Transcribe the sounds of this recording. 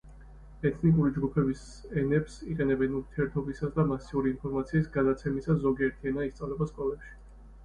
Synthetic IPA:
ɛt̪ʰnikʼuɾid͡ʒɡupʰɛbis | ɛnɛpsiqʼɛnɛbɛnuɾt̪ʰiɛɾt̪ʰɔbisasd̪amasiuɾiːnpʰɔɾmat̪sʰiːsɡad̪at̪sʰɛmisazɔɡiɛɾt̪ʰiɛnaist̪sʼavlɛbaskʼɔlɛpʃi̥

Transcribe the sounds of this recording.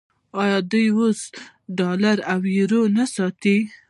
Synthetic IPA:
ɑjɑd̪ujos | ɖɑlaɾawiɾonasɑt̪i

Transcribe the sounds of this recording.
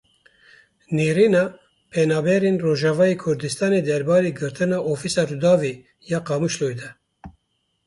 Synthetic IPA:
neːɾinɑː | pʰɛnɑːbɛɾenroːʒɑvɑːjekʰʊɾd̪ɨst̪ɑːneːd̪ɛɾbɑːɾeːɡɨɾt̪ɨnɑːʔofisɑːɾud̪ɑːve | jɑːqɑmuʃloːjd̪ɛ

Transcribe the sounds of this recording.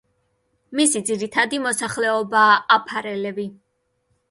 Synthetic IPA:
misid̪ziɾit̪ʰad̪imɔsaχlɛɔbaːapʰaɾɛlɛbi

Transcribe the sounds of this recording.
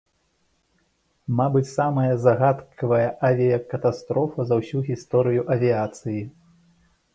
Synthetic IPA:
mabɨt͡sʲsamɐjɐzɐɣat̪kʰɐvɐjɐʔavʲijɐkɐt̪ast̪ɾɔfɐzɐwsʲuɣʲist̪ɔɾɨjuʔɐvʲiat̪sɨji

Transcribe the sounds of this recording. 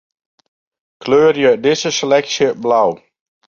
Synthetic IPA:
kʰløːrjədɪzəselɛksjəblaw

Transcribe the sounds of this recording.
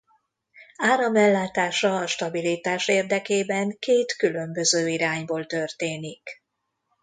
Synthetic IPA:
aːɾɒmɛlːaːt̪aːʃɒːʃt̪ɒbilit̪aːʃeːrd̪ɛkeːbɛŋkeːt̪kylø̞mbø̞zøːiɾaːɲboːlt̪ørt̪eːnik

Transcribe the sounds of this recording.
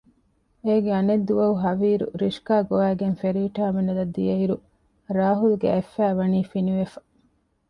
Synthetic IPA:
eːɡeɐned̪ːuʋɐuɦɐʋiːɾṵɾiʃkaːɡoæːɡenfeɾiːʈaːmenɐd̪ɐd̪ːijɐiɾu | ɾaːɦulɡḛefːæːʋɐniːfiniʋefɐ̥

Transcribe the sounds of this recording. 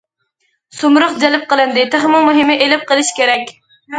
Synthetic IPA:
sumɾəχd͡ʒɛlɪp̚qəlˠɨnd̪ɪt̪ʰeχmʊmuɦɪmɪʔelɪp̚qəlˠɪʃkʲʰeɾɛkʲ

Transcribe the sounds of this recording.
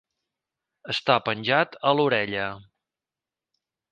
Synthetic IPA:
əst̪apənʲʒat̪əluɾɛʎə

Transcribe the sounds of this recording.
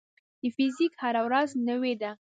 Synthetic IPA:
d̪̥əfizikhaɾawɾaznəwed̪a

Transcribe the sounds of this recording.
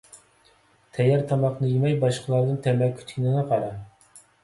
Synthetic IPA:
t̪ʰɛjɛɾt̪ʰɑmɑχnɨjemɛjbɑʃqʰəlˠɑɾd̪ɨnt̪ʰɛmɛkʲʰːy̥t̪kʲinɪnɨqʰɑɾɑ

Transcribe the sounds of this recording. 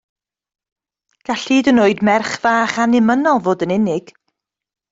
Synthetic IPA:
ɡ̥aɬiːdənoːɨdmɛrχv̥aːχanɪmənɔlˠvoːdənɪnɪɡ̥

